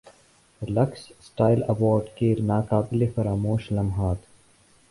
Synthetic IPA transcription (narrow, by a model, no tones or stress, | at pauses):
lɐkssʈaːɪlɐwɔːɾɖkenaːkaːbɪlefɐɾaːmoːʃlɐmɦaːt̪